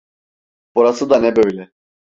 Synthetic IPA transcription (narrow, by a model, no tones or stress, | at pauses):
b̥uɾasɯd̪anɛbøjlʲɛ